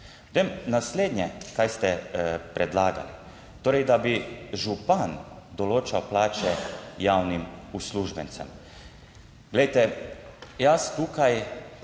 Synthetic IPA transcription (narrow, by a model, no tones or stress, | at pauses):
t̪emnaslʲeːd̪ɲɛkajst̪ɛpɾʔɛd̪laːɡa̰lḭ | t̪oːɾɛjd̪abiʒupand̪oloːt͡ʃawplaːt͡ʃɛjaːwnimusluʒbɛnt̪sɛ̰m | ɡlejt̪ɛ | jast̪ukaj